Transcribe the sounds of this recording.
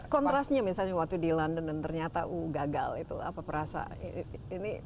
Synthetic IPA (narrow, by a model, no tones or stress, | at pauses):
kɔnt̪ɾasɲamisalɲawak̚t̪udilandəndant̪ərɲat̪aʔuɡaɡa̰lit̪ṵa̰papəɾasa̰ḭːni